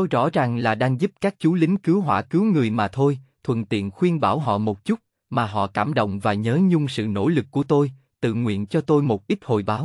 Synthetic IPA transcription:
tt̪o˧jzɔ̰˧˥zaː˨˩ŋlaː˨˩ɗaː˧ŋzu˦˥p̚kaː˦˥k̚t͡ɕu˨˦lï˨˦ŋ̟kɨ˨˦wɦwa̰ː˧˩kɨ˨˦wŋɨ˨˩əjmaː˨˩t̪ʰo˧jt̪ʰwə̰˧˩˨nt̪ḭ˧˨ənxwi˧ənɓaː˧˩wɦɔ̰˧˨mo˨˩t̚t͡ɕu˦˥t̚ | maː˨˩ɦɔ̰˧˨kaː˧˩mɗo̰˧˨wŋ͡mvaː˨˩ɲəː˨˦ɲʊ˧ŋ͡msɨ̰˧˨no̰˧˩lɨ˨˩k̚ːu˧˩ət̪o˧j | t̪ɨ̰˧˨ŋwḭ˧˨ənt͡ɕɔ˧t̪o˧jmo˨˩t̚ʔi˦˥t̚ho˨˩jɓaː˨˦w

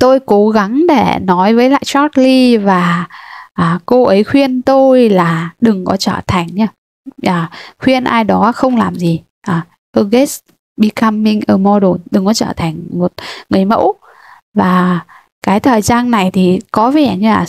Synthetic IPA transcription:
t̪o˧jko˨˦ɣa˨˦ŋɗe˧˩nɔ˨˦jvəː˨˦jla̰ː˧˨jt͡ɕɔ˦˥t̚li˧vaː˨˩ʔaː˨˩ko˧ʔə˨˦jxwi˧ənt̪o˧jlaː˨˩ɗɨ˨˩ŋkɔ˨˦t͡ɕəː˧˩t̪ʰa˨˩jŋ̟ɲaː˧ | ʔaː˨˩xwi˧ənʔa̰ː˧jɗɔ˨˦˧xə˧wŋ͡mlaː˨˩mzi˨˩ | ʔaː˨˩ | ʔəː˧ɣe˦˥s | ɓi˧kaː˧mːï˧ŋ̟ʔəː˧˩mɔ˧ɗo˨˩nɗɨ˨˩ŋkɔ˨˦t͡ɕəː˧˩t̪ʰa˨˩ŋ̟mo˨˩t̚ŋɨ˨˩əjmə̰˧˥w | vaː˨˩ | kaː˨˦jt̪ʰəː˨˩jzaː˧nna˨˩jt̪ʰi˨˩kɔ˨˦vɛ˧˩ɲɨ˧aː˨˩

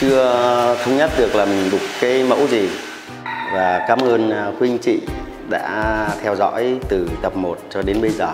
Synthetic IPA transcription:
t͡ɕɨ˧ət̪ʰə˧wŋ͡mɲə˦˥t̚ɗɨ˨˩ək̚laː˨˩mï˨˩ŋ̟ɗʊ˨˩k͡pkaː˨˦jmə̰˧˥wzi˨˩ | vaː˨˩kaː˨˦mʔəː˧nkwi˧ŋ̟t͡ɕḭ˧˨ | ɗa̰ː˧˥t̪ʰɛ˧wzɔ̰˧˥jt̪ɨ˨˩t̪ə˨˩p̚mo˨˩t̚t͡ɕɔ˧ɗe˨˦nɓə˧jzəː˨˩

